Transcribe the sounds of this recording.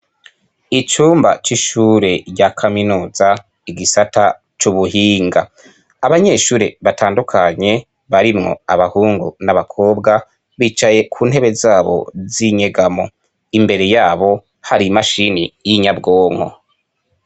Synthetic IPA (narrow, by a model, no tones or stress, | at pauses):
it͡ʃuːmbat͡ʃiʃuːɾe̞ɾɟakʰaminuːza | iɡisata | t͡ʃuβuɦiːŋɡa̰ | aβaɲe̞ʃuːɾḛβatʰaːndukʰaɲe̞ | βaɾimŋo̞̰aβahuːŋɡṵnaβakʰo̞ːbɡa | βit͡ʃaje̞kʰuːn̥ɦe̞βe̞zaːβo̞̰ziɲeɡamo̞̰ | imbe̞ɾe̞jaːβo̞ | haɾimaʃinijiɲabɡo̞ːŋ̥ho̰